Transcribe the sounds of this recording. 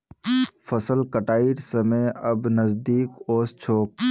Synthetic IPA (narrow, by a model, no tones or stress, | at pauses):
fʰəsəlkəʈaːiɾsəmejɐbnəzd̪iːkoːst͡ʃʰoːk̚